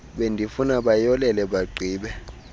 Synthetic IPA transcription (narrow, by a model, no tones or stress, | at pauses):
ɓendʱifunaɓajɔlɛlɛɓaɡ͡ǀʱiːɓɛ